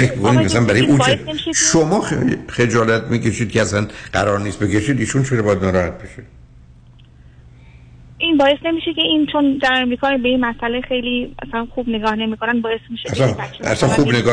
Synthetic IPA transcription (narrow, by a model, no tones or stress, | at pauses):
fekʰbikʰoniæssænbæɾɒjeʔusnemiʃeʃomɒːxed͡ʒɒːlæt̪̚ʰmiːcʰeʃid̪̚kʰeæsænɢæɾɒːɾniːst̪be̞ke̞ʃiːd̪iːʃunt͡ʃʰeɾɔbɒjæd̪næɾɒːhæt̪̚beʃe | ʔinbɒːjest̪ne̞miːʃeceiːnt͡ʃʰond̪æɾemɾiːkʰɒːbeinmæsʔælexejliːmæ̰sælænxuːbne̞ɡɒːhne̞miːkʰonænbɒːjesmiʃeæsæææ̰sænxubneɡɒː